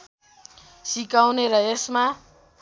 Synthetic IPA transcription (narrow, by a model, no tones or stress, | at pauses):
sikawneɾʌesma